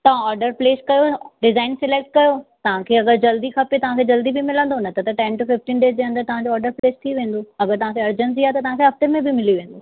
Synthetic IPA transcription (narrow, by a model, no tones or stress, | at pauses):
t̪ɐʋ̤ãɔːɾɖəɾpleːskɐjoɖɪzaːɪnsɪleːk̚ʈ̚kɐjot̪ɐʋ̤ãkʰeːɐɡəɾd͡ʑɐld̪ikʰɐpet̪ɐʋ̤ãkʰeːd͡ʑɐld̪ibɪmɪlə̃nd̪onɐt̪ɐt̪ɐʈɛ̃nʈufɪfʈiːnɖeːsd͡ʑeːɦɐ̃nd̪əɾt̪ɐʋ̤ãd͡ʑoːɾɖəɾpleːst̪ʰiʋẽːn̆d̪oɐɡəɾt̪ɐʋ̤ãːkʰeɐɾd͡ʑənsiat̪ɐt̪ɐʋãkʰeɦɐft̪emẽbɪmɪliʋẽːn̆d̪o